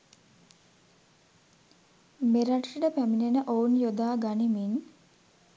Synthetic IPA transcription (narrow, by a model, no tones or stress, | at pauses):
meɾaʈʂiʈəpæminenəʔoːunjod̪aːɡanimin